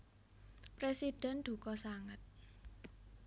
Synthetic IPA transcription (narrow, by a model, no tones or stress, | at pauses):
pɾesid̥ɛ̤nd̪̥ṳkɔsaŋət̪̚